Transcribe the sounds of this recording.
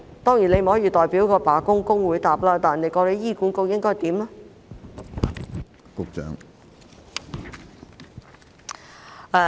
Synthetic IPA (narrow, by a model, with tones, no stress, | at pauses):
t̪ɔː˥ŋji˨˩ne˧m̩˨˩hɔː˨˥jiː˨˧t̪ɔː˨˩jpiː˨˥wkɔː˧paː˨˥kʊ˥ŋkʊ˥ŋwuː˨˧jt̪aː˨p̚laː˧˥t̪aː˨nne˨˧jkɔː˧le˨˧jiː˥˩kuː˨˥nkʊ˧k̚jɪ˥ŋkɔː˥jt̪iː˨˥mlaː˥ | kʊ˨˧k̚t͡ʃœ̰ː˨˥ŋ | ɛ˧